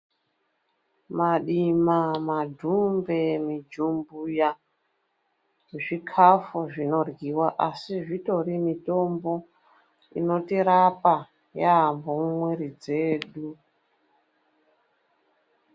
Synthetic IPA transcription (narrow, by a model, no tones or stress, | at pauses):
maɗimamadʱumbe̞mid͡ʒumbuja | ʐikʰafuʐino̞rɡiwaʔasiʐito̞ɾimito̞mbo̞ | ḭno̞tiɾapa | jaɦambomumweɾid͡ze̞ːɗu